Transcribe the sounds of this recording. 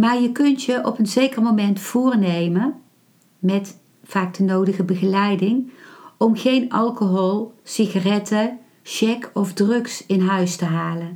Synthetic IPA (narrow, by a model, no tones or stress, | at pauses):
maːɹjəkɵntjəʔɔpənzejkərmomɛntfʊːrnejmə | mɛt | faːk̚dənowdəɣəbəɣəlɛjdɪŋɔmχejnɑlˠkoɦolˠsiɣarɛtə | ʃɛkʰɔvdrɵksɪnɦœɥstəɦaːlən